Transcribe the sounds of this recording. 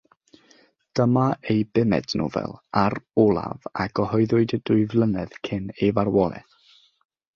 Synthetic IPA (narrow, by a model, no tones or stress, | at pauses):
d̥əmaejbɪmɛ̰dnṵvɛ̰lˠaɾɔlˠa̰vaɡ̥ɔhɔɨðʊɨdədʊɨvlˠənɛð̥kʰɪnejvarwɔlˠɛ̰